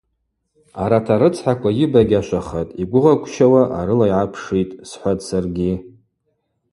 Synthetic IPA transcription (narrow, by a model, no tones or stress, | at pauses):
aɾatʰaɾɨt͡sʰʼħakʷʼajɪbaɡʲaʃʷaχatʼiɡʷʊʁakʷʰʼt͡ʃʰawaʔaɾɨlajʕapʰʂitʼsħʷatʼsarɡʲi